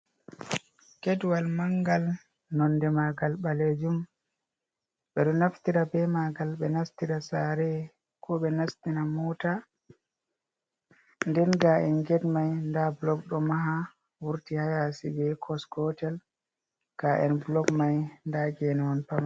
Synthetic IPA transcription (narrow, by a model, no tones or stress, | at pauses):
kɛdwalmaŋɡal | nɔndɛmaɡalɓaled͡ʒum | ɓɛɗɔnaftiɾabɛmaɡalɓɛnastiɾasaɾɛ | kʰɔɓɛnastinamɔta | ndɛnɡaʔɛnɡɛdmajndablɔɡɗɔmaɦa | wuɾtihajasibɛkʰɔskɔtɛl | ɡ̥aʔɛnblɔɡmajndaɡɛnɛwɔnpama